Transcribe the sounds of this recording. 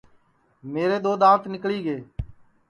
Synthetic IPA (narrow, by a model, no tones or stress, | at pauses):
meːɾeːd̪oːd̪ãːʋt̪nɪkɭiːɡeː